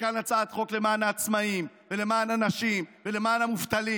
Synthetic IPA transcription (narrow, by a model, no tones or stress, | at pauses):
kanat͡sat̪χo̞kle̞maːnaːt͡smaim | ve̞le̞maːnanaʃimvele̞maːnamuvt̪ali